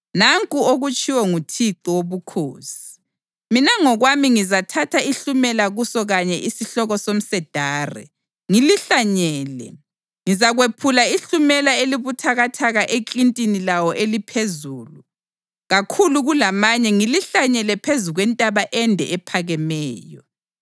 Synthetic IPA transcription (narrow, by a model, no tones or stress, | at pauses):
naŋkʼuoɣut͡ʃʼiwɔŋutʰiǃiwoβukʰoːsi̥ | minaŋɔɣwamiŋizatʰatʰaiɬumɛlaɣusɔɣaɲɛʔisiɬɔɣɔsom̩sɛd̥ʱaːrɛ̰ | ŋiliɬaɲɛːlɛ̰ | ŋizaɣwepʰulaiɬumɛlaeliβutʰaɣatʰaɣaʔekʼintʼinilawɔʔelipʰezuːlu | ɣakʰuluɣulamaɲɛŋiliɬaɲɛlɛpʰezuɣwɛntʼaβaʔɛndʱɛ̰ʔɛpʰaɣɛmɛːjɔ